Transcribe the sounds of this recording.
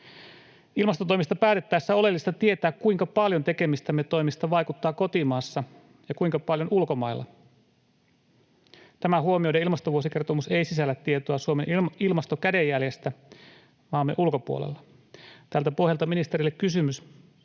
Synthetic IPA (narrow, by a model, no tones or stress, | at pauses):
ilmɑst̪ot̪o̞mist̪ɑpæːt̪e̞t̪ːæjsːæo̞le̞lːist̪ɑt̪ie̞t̪æːkkuiŋkɑpɑljont̪e̞ke̞mist̪æmːet̪o̞imist̪ɑʋɑjkut̪ːɑːko̞t̪imɑːsːɑ | jɑkuiŋkɑpɑljonulko̞mɑilːɑ̰ | t̪æmæɦuo̞mio̞jdeilmɑst̪oʋuosike̞rt̪o̞museisisælːæt̪ːiet̪oɑsuomenilmɑst̪okædejːælje̞st̪æ | ʋɑːmːeʔulko̞puo̰lḛlːɑ | t̪ælt̪æpo̞hjɑlt̪ɑminist̪eɾilːekkysymys